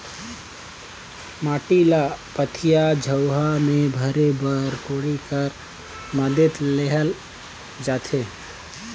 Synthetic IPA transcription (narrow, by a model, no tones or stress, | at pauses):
maːʈilapət̪ʰijad͡ʒʱəwɦamẽbʱəɾebəɾkoːɽikəɾ | məd̪ʱɪt̪leɦəl | d͡ʒaːt̪ʰeː